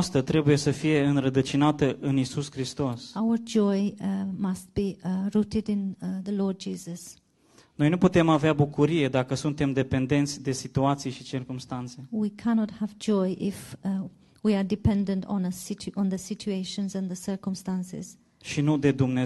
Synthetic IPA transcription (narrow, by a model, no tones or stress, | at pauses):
st̪ət̪ɾe̞buje̞səfije̞ɨnɾəd̪ət͡ʃinat̪əʔɨnisuskɾist̪o̞sawə˞d͡ʒɔɪmast̚b̥iɹutɪdɪ̃nðəlɔɹd̚d͡ʒiːzəs | no̞jnuput̪e̞maveabukuɾije̞d̪akəsunt̪e̞md̪e̞pe̞nd̪e̞nt̪sʲd̪e̞sit̪uat̪sijʃit͡ʃirkumst̪ant̪se̞wikʰænɔt̚həvd͡ʒɔɪʔɪf | wiədɪpɛ̃ndə̃ntn̩əsɪt͡ʃʔə̃nðəsɪt͡ʃueɪʃə̃nzə̃nðəsə˞kə̃mstãnsɪ̰z̥ | ʃinud̪e̞d̪umne